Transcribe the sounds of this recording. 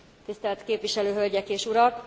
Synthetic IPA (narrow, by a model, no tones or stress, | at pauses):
t̪ist̪ɛlt̪keːpʋiʃɛløːɦø̞lɟɛkeːʃuɾɒk